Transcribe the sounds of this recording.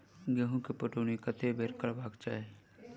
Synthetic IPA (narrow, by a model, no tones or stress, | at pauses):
ɡeɦũkepəʈuːnikət̪ʰebʱeɾkəɭbaːɡt͡ʃaːe